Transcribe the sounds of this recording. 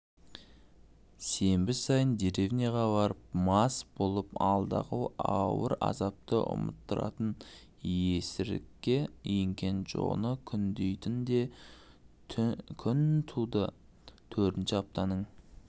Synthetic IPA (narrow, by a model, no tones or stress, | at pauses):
se̞mbɪsɑjənd̪eɾe̞vnijaʁɑbɑɾəp̚mɑsbo̞lˠəpɑlˠd̪ɑ̰qəɑwəɾɑ̰zɑp̚t̪əʔʊ̰mə̰t̪ːəɾɑ̰t̪ən | je̞sɪɾɪ̰kʲːe̞ɪŋkʲe̞nʒo̰nəkʲʰʏnd̪ejt̪ɪnd̪e̞ | kʲʰʏnt̪ʰud̪ə | t̪ʰɵɾt̪ɪnʃɪɑp̚t̪ɑnəɴ